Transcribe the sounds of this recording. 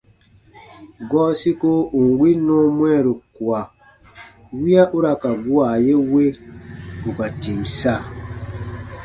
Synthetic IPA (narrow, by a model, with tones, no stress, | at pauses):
ɡɔː˦si˦ko˦u˨ŋ˨ɡwi˦nɔ̃˦mwɛ˦˨ɾu˨kwa˨ | wi˦a˦ʔu˦ɾa˨ka˨bwa˨je˦we˦ | u˨ka˨ti˨msa˦˨